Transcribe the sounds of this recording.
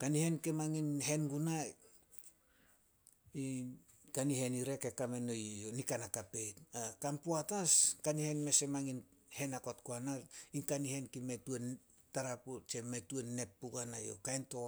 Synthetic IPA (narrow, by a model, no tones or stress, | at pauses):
kanihe̞nkemaŋinɦe̞nɡuna | i | kanihe̞niɾe̞ke̞kame̞no̞jjonikanakape̞jtakampoataskanihe̞nme̞se̞maŋinhe̞nakotkoanainkanihe̞nkimetuen | taɾaput͡ʃe̞me̞tuenːe̞pːuɡanajo̰kajnto̞